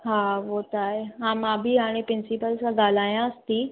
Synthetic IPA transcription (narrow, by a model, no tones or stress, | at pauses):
ɦaːʋot̪aːɦeɦãːmãbʱiɦaːɽ̃ẽpɾɪnsɪpəlsãɡaːl̤aːjãəst̪iː